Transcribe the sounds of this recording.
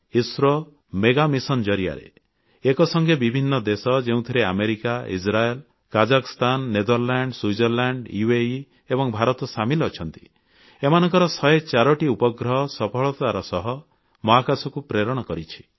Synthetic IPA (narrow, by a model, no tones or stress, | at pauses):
isɾɔ | meɡamisɔnd͡ʒɔɾia̰ɾḛ | ekɔsɔŋɡebibʱinːɔd̪esɔd͡ʒeũt̪ʰiɾea̰meɾikaḭsɾael | kad͡ʒakɔst̪anːed̪ɔɾlaɳɖswujd͡ʒɔɾlaɳɖiei | ebɔŋbʱaɾɔt̪ɔsamilːt͡ʃʰɔnt̪i̥̰ | emanɔŋkɔɾɔsɔet͡ʃaɾɔʈiupɔɡɾɔɦɔsɔpʰɔɭɔt̪aɾɔsɔɦɔ | mɔɦakasɔkupɾeɾɔɽ̃ɔkɔɾit͡ʃʰi̥